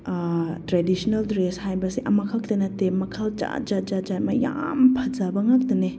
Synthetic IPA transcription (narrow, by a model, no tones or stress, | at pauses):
tɾedisnɐldɾeshajbɐsiʔɐmɐkʰak̚t̪ɐnɐtemɐkʰald͡ʒa̰d͡ʒad͡ʒad͡ʒamɐja̰mpʰɐd͡ʒabɐŋak̚tɐne